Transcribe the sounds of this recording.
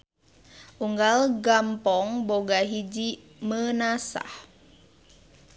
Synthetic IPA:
ʔuŋɡalɡampɔŋboɡaɦid͡ʒi | mənasa̰h

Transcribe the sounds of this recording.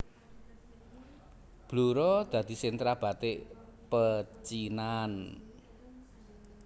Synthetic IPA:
b̥luɾɔd̪̥ä̤d̪̥i̤sɪnt̪ɾab̥ä̤t̪eʔpət͡ʃinan

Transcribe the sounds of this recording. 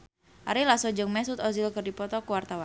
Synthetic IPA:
ʔaɾilasɔd͡ʒəŋmɛsut̪ɔzilkərdipɔt̪ɔkuwart̪awan

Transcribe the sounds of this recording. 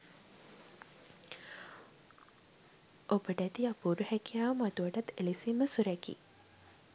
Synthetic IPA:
ʔobəʈəæt̪iapuːɾuhɛkijaːʋəmat̪uʋəʈat̪ːelisimːəsuɾɛkḭ

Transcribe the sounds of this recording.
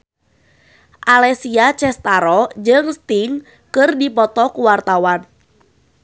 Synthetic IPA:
ʔalɛsiat͡ʃɛst̪aɾɔd͡ʒɨŋst̪iŋ | kɨrdipɔt̪ɔkuwart̪awan

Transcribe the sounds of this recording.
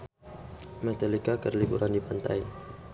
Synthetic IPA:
mɛt̪alikakərlibuɾʔandipant̪a̰j

